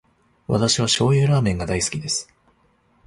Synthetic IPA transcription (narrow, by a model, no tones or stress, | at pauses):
βa̰t̪aɕiβ̞aɕo̞ːeːɾaːmẽ̞ŋɡad̪aisɨ̥kʲid̪e̞sɨ̥